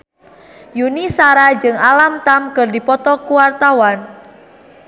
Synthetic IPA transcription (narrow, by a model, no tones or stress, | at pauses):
junisaɾad͡ʒɨŋalamt̪amkɨrdipɔt̪ɔkuwart̪awan